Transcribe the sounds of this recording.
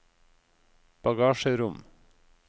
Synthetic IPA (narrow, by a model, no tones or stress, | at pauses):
b̥ɑɡɑːʃəɾʊm